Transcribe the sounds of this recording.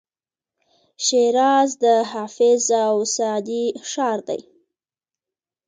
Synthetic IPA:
ʃeɾɑzd̪əɦɑfɪzawsad̪iʃɑɾd̪a̰j

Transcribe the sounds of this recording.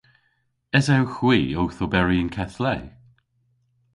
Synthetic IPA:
ɛzɛwxwiːowθobɛɹiənkʰɛθlɛː

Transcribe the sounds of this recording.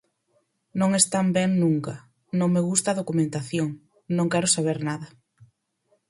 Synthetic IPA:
nõŋest̪ambɛŋnũŋkɐ | nõŋmeɣ̞ust̪aðokumẽnt̪aθjoŋ | nõŋkɛɾʊsaβ̞eɾnaðɐ

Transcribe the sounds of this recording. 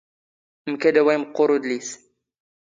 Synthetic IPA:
mkæd̪æwæjmqːʊɾud̪lis

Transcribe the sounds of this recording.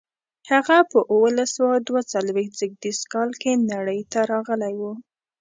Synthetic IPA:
haɣapəʔuwəlasawad̪wat͡salwext̪̚d͡zəɡ̚d̪iskɑlkenaɽəjt̪aɾɑɣəlajwu

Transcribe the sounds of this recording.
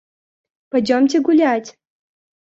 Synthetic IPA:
pɐdʲomt̬ʲeɡulʲatʲ

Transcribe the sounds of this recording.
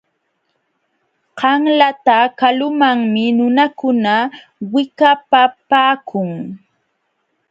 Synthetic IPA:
qɑŋlat̪akalʊmaŋmɪnʊnakʊna | wɪkapapaːkʰʊŋ

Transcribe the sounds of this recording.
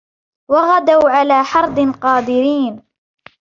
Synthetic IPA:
waɣad̪awʕalaːħɑɾˤd̪ˤɨnqɑːd̪ɪɾiːn

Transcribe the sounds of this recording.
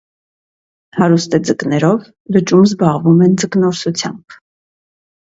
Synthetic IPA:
hɑɾust̪ɛd͡zəknɛɾɔv | lət͡ʃumzbɑʁvumɛnd͡zəknɔɾsut͡sʰjɑ̰mb̥

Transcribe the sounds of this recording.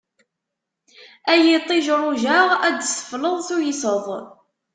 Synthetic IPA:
æjit̪ˤːiʒɾˤʊʒæʁæd̪sə̥fləðˤθujisəðˤ

